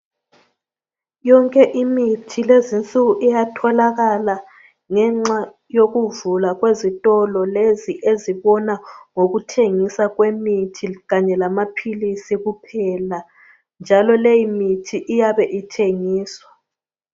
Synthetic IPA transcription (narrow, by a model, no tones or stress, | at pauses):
jɔŋkʼɛʔimitʰilezint͡sʼuɣuʔijatʰɔlaɣala | ŋɛŋ͡ǁa | joɣuvulaɣwezitʼɔlɔleziʔeziβɔnaŋoɣutʰeŋisaɣwemitʰiɣaɲɛlamapʰilisiɣupʰɛla | nd͡ʒʱalɔlejimitʰiʔijaβɛʔitʰeŋiːswa